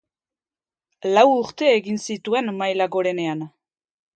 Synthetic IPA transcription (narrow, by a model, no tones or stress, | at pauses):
lawuɾt̪e̞ːɣinsit̪ue̞nmajlaɣo̞ɾe̞ne̞an